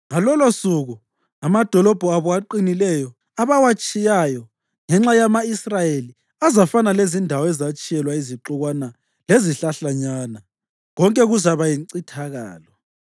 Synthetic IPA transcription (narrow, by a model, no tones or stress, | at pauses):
ŋalɔlosuɣu | amad̥ʱɔlɔb̥ʱɔaβɔaǃinilɛjɔ | aβawat͡ʃʼijajɔ | ŋɛŋ͡ǁajamaisrajeli | azafanalezindʱawɔɛzat͡ʃʼijɛlwaiziǁuɣwana | leziɬaɬaɲana | ɣɔŋkʼɛɣuzaβajiŋǀitʰaɣa̰ːlɔ